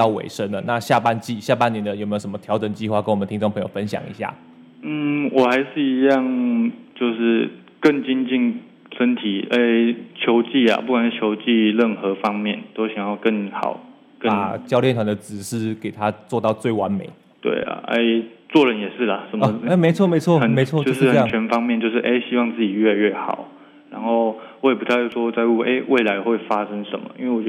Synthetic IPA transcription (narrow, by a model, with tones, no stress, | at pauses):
ɑ˥˩ʊwḛ˨˩ɪʂə˦˥nd̪ə˨˩na˥˧ɕja˥˧pa˥˧nt͡ɕi˥˧ɕja˥˧pa˥˩njɛ˧˥nd̪ə˧˨jo˨˩me˥o˨ʊʂə˦mə˧t̪ʰjɑ˧˥ʊʈ͡ʂə˨˩ŋt͡ɕi˥˧xwa˥˩kə˥nwənət̪ʰi˥ʈ͡ʂo˥˩ŋpʰɤ˧ŋjo̰˨˩ʊfə˦nɕjɑ̰˨˩ŋḭ˧˥ɕja̰˥˩ | n̩˥˩wɔ˨˩xa˧˥ɪʂɻ̩˥˩i˧˥jɑ˥˨ŋt͡ɕjo˥˧ʊʂɻ̩˥˧ | kə˥˩ŋt͡ɕi˥ŋt͡ɕi˥˧n | ʂə˦nt̪ʰi˨˩˦e˥ɪt͡ɕʰjo˧˦˥ʊt͡ɕi˥˩ɐ̰˩pu˥˩kwa˨˩n̩˥˩t͡ɕʰjo˧˥ʊt͡ɕi˥˧ɻə˥˩nxɤ˧˦fɑ˥ŋmjɛ˥˨nt̪o˥ʊɕjɑ˨˩ŋjɑ˥˧ʊkə˥˩ŋxɑ̰˨˩˦ʊ | kə˥n˩t͡ɕjɑ˥ʊljɛ˥˩nt̪ʰwa˧˥nd̪ə˨˩t͡sɹ̩˨˩ʂɻ̩˥˩ke˨˩ɪt̪ʰa˦t͡swɔ˥˧t̪ɑ˥˧ʊt͡swe˥˩ɪwa˧˥nme˨˩˦ɪ | t̪wḛ˥˩ɪa̰˩ʔḛ˥˩ɪt͡swɔ˥˩ɻə˧˦njɛ˨˩ʂɻ̩˥˩lə˩ʂə˧˦nm˧ə˦e˥˩me˧˥ɪt͡sʰwɔ˥˨me˧˥ɪt͡sʰwɔ˥˨ə˨˩nme˧˥t͡sʰwɔ˥˨t͡ɕo˥oʊ˧ʂɻ̩˥˩hə˥˨˥t͡ɕʰɥɛ˧˥nfɑ˥ŋmjɛ˥˧nt͡ɕjo˥˧ʊʂ̬ɻ̩˥ʔe˥ɪɕi˥wɑ˥˧ŋt͡sɹ̩˥˩t͡ɕi˨˩ɥɛ˥˧ɥɛ˥˩xɑ̰˨˩˦ʊ | ɻa˧˥nxo˥˩ʊwɔ˧˥˨pu˨˩t̪ʰa˥˧˥ʂwɔ˥˧t͡sa˥˧ɪu˥˩ḛ˥ɪwʔe˥˩ɪla˧˦ɪxwe˥˩ɪfa˥ʂə˥ŋʂə˨˦nmə̰˦ʔḭ˥nwe˥˩wɔ˨˩t͡ɕ